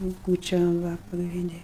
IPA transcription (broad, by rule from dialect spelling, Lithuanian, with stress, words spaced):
jɛʊ ˈkuːt͡ʃʲoːm ʋɐ pɐɡrʲɪnʲˈdʲɪ